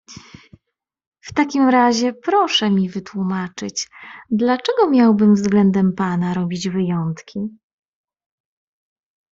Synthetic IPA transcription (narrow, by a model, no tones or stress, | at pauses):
ft̪akʲimɾaʑɛpɾɔʂɛmʲivɘt̪wumat͡ʂɘt͡ɕd̪lat͡ʂɛɡɔmʲjawbɘmvzɡlɛnd̪ɛmpanaɾɔbʲid͡ʑvɘjɔnt̪kʲʰi